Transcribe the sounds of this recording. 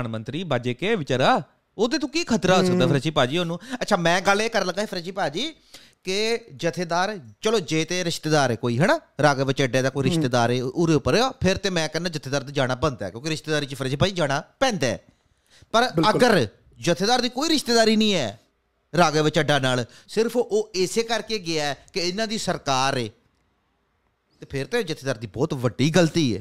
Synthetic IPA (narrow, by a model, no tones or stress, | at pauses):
nmənt̪ɾiːbaːd͡ʒeːkeːʋɪt͡ʃaːɾaː | oːd̪eːt̪õːkiːkʰət̪ɾaːoːsəkd̪aːpʰəɾət͡ʃiːpaːd͡ʒiːoːnũːətːt͡ʃʰaːmɛ̃ːɡəleːkəɾləɡaːepʰəɾet͡ʃiːpaːd͡ʒiː | kɪd͡ʒət̪ʰːeːd̪aːɾt͡ʃəloːd͡ʒeːt̪eːɾɪʃt̪eːd̪aːɾɛːkoːiːɦɛnaːɾaːɡeːʋɪt͡ʃəɖeːd̪aːkoːiɾɪʃt̪eːd̪aːɾeːʔʊɾeʊpːəɾeaːpʰɪɾt̪eːmɛ̃ːkənːãːd͡ʒət̪ʰeːd̪aːɾt̪ad͡ʒaːɽ̃aːbənd̪ɛ̰ːkjõːkɪɾɪʃt̪eːd̪aːɾiːt͡ʃipʰəɾːt͡ʃiːpaːd͡ʒiːd͡ʒaːɽ̃aːpɛ̃ːnd̪aːɛ̰ː | pəɾəɡəɾ | d͡ʒət̪ʰːeːd̪aːɾd̪iːkoːiːɾɪʃt̪eːd̪aːɾiːnĩːɛː | ɾaːɡeːʋət͡ʃəɖːaːnaːl | sɪɾpʰʔoːɪseːkəɾkeːɡɪaːɛkɪɪnãːd̪iːsəɾkaːɾeː | t̪eːpʰɪɾt̪eːd͡ʒət̪ʰeːd̪aːɾd̪iːbɔːt̪ʋəɖːiːɡəlt̪iːɛ̰ː